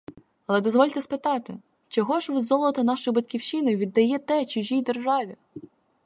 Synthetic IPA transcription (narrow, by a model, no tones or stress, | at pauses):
ɐlˠɛd̪ɔzʋɔlʲt̪ɛspɪt̪ɑt̪ɪ | t͡ʃɔɦɔʒʋɪzɔlˠɔt̪ɔnɑʃʊjbɐt̪ʲkʲiwʃɪnɔjʋʲid̪ːɐjɛt̪ɛt͡ʃʊʒʲijd̪erʒɑʋʲi